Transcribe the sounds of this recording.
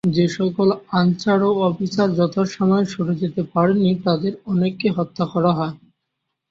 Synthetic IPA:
d͡ʑeʃɔkolant͡ɕaɾoɔpisaɾd͡ʑɔt̪ʰaɾʃɔmɔeʃuɽud͡ʑet̪epaɾenːit̪ad̪eɾɔnekːeɦɔt̪ːakɔɾaɦɔe

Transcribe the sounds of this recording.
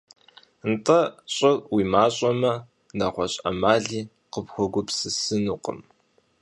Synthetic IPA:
ntʼɐɕʼɐrwiːmaːɕʼɐmɐ | naːχʷɔɕʼɐ̰maːɮiː | qəpxʷɔɡʷʊpsɨsɨnuːqʼə̰m

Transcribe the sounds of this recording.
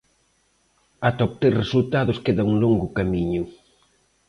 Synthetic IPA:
at̪ɔp̚t̪eɾresult̪aðʊskeðɐuŋloŋɡʊkamiɲʊ

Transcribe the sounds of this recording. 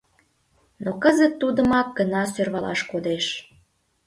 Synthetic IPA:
nokəzət̪ːud̪əmɑk̚ɡənɑsørβɑlɑ̰ʃkod̪eʃ

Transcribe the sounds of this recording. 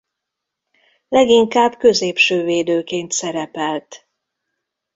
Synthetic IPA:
lɛɡiŋkaːbkø̞zeːpʃøːveːd̪øːkeːnt̪sɛɾɛpɛlt̪

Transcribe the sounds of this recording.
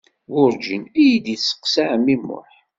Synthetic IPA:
wʊɾd͡ʒənæjid̪isːə̥qsaʕəmːimːʊ̰ħ

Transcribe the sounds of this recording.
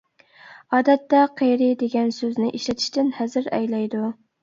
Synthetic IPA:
ɑːd̪ɛt̪ːɛqʰejɾɪd̪eɡʲɛnsøznɪʔiʃlɛt̪ʰɪ̥ʃt̪ɪnhɛzɪɾɛ̰jlɛjd̪u

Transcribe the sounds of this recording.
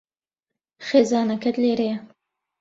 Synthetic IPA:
xeːzɑːnɐkʰɛt̪leːɾejɛ

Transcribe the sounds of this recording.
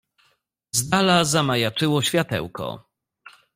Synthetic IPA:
zd̪alazamajat͡ʂɘwɔɕfʲjat̪ɛ̰wkɔ̰

